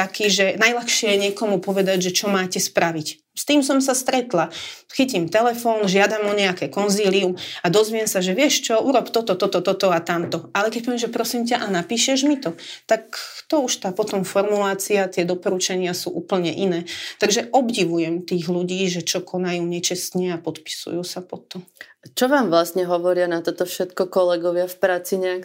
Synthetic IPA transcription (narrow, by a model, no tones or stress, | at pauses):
t̪akiːʒɛnajlaxʃɪɛjɛɲɪɛkɔmupɔʋɛd̪aɟʒɛt͡ʃɔmaːcɛspɾaʋic | st̪iːmsɔmsast̪ɾɛt̪la | xicimt̪ɛlɛfɔːnʒɪad̪amɔɲɛakɛkɔnziːliumad̪ɔzʋɪɛmsaʒɛʋɪɛʃt͡ʃɔuɾɔpt̪ɔt̪ɔt̪ɔt̪ɔt̪ɔt̪ɔat̪amt̪ɔalɛkɛc̚pɔʋiɛmʒɛpɾɔsimc̬aʔanapiːʃɛʒmit̪ɔt̪akt̪ɔuʃt̪aːpɔt̪ɔmfɔɾmulaːt͡siat̪ɪɛd̪ɔpɔɾut͡ʃaɲɪasṵːʔuːpl̩ɲɛʔinɛːt̪aɡʒɛʔɔbɟiʋujɛmt̪iːɣluɟiːʒɛt͡ʃɔkʰɔnajuːɲɛt͡ʃɛst̪ɲɛapɔt̪pi̥sṵjuːsapɔt̪ɔmt͡ʃɔʋaːmʋlasɲɛɦɔʋɔɾɪanat̪ɔt̪ɔfʃɛt̪kɔkɔlɛɡɔʋɪafpɾaːt͡siɲɛak